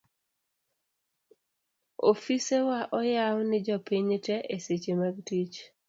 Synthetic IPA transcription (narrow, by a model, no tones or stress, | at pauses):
ofisewaʔɔjawnɪd͡ʒɔpiɲtɛʔeset͡ʃemaɡtit͡ʃ